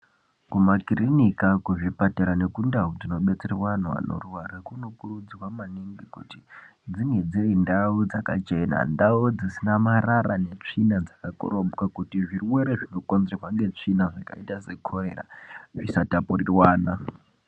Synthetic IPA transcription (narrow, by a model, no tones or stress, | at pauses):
kumakirinikakuʐipateɾanekundaud͡zino̞ɓe̞t͡seriwan̤ua̰no̰ruwaɾakuno̞kurud͡ziwamaniŋɡikuti | d͡ziŋed͡zeindaud͡zakat͡ʃe̞na̰ndaud͡zisinamaɾaɾane̞t͡ʂinad͡zakako̰ɾomukakutiʐiruwe̞ɾeʐinokond͡zerwaŋɡe̞t͡ʂinaʐaka̰itase̞kʰo̞ɾe̞ɾa̰ʐisatapurirwaːna